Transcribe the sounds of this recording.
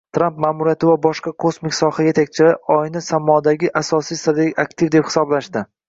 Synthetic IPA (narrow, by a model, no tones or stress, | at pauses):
t̪ʰɾampmaːmʊɾijat̪ʰɪvabɒʃqɑkʰosmɪkʲsɒhaje̞t̪ʰak̚ʲt͡ʃʰɪlaɒjnɪsamːɒd̪aɡʲɪʔasɒsijsad̪eakt̪ʰɪvd̪e̞phɪ̥sɒblaʃd̪ɪ